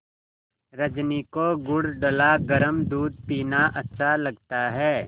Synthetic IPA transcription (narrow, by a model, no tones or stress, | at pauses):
ɾɐd͡ʒniːkoɡʊɽɖəlaɡɐɾəmd̪uːd̪̚piːnaʔɐtːʃʰalɐɡ̚t̪aɦɛː